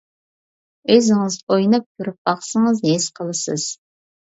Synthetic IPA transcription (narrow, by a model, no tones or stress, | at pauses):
øzɪŋɪzojnɨp̚t̪ʰyɾyp̚bɑχsəŋəzɦesqʰəlˠɨsɨz̥